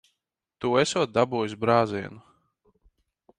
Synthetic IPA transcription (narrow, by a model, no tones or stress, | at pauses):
t̪uːesuɔt̪̚d̪abuːjus̬bɾaːziɛnu